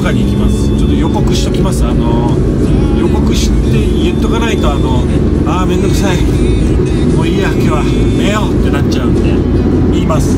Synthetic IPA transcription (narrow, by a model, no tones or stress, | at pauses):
kaɲʲiːkʲimasɨ̥t͡ɕot̪ːo̞jo̞ko̞kɯ̟ɕi̥t̪o̞kʲimasɨano̞ | jo̞ko̞kɯ̟ɕi̥t̪ːe̞ijɯt̪ːokanait̪oano̞ | aːme̞nd̪o̞kɯ̟̥sai | moiakeβa | meot̪ːe̞nat͡ɕaɯ̟̃nd̪e | iːmasɨ̥